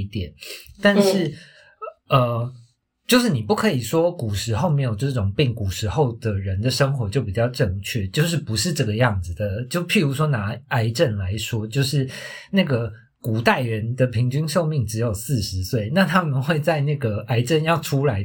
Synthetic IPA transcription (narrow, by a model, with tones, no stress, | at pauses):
t̪jɛ˨˩˦nt̪a˥˧nʂɻ̩˥˩ | ə˧ | t͡ɕjo˥˧ʊʂɻ̩˥˩ni˨˩pu˥˩kʰɤ˧˥i˨˩ʂwɔ˥ku˨˩ʂɻ̩˧˥xo˥˩ʊme˧˥ɪjo˨˩ʈ͡ʂɤ˥˧˥ʈ͡ʂʊ˨˩ŋpi˥˩ŋku˨˩ʂɻ̩˧˥xo˥˩ʊd̪ə˩ɻə˧˦nd̪ə˨ʂə˥ŋxwɔ˧˥t͡ɕjo˥˩ʊp̬i˨˩t͡ɕɑ˥˧ʊʈ͡ʂɤ˥˧ŋt͡ɕʰɥɛ˥˩t͡ɕjo˥˧ʊʂ̬ɻ̩˥˩pu˧˦ʂɻ̩˥˧ʈ͡ʂɤ˥˩ɡə˩jɑ˥˩ŋd͡zɹ̩˨˩d̪ə˩t͡ɕjo˥˧ʊpʰi˥˩ɻu˧˥ʂ̬wɔ˥na˧˥a˧˥ɪʈ͡ʂə˥˩nla˨˦ɪʂwɔ˥t͡ɕjo˥˧ʊʂɻ̩˥˩ | na˥˩ɡə˩ | ku˨˩t̪a˥˩ɪɻə˧˦nd̪ə˨pʰi˧˥ŋt͡ɕy˥nʂo˥˧ʊmi˥˩ŋʈ͡ʂɻ̩˧˥jo˨˩ʊsɹ̩˥˩ʂɻ̩˧˦swe˥˩ɪna˥˧˨t̪ʰa˥mə˨nxwe˥˧ɪt͡sa˥˧ɪna˥˩ɡə˩a˥ɪʈ͡ʂə˥˧˨njɑ˥˩ʊʈ͡ʂʰu˥la˧˥ɪ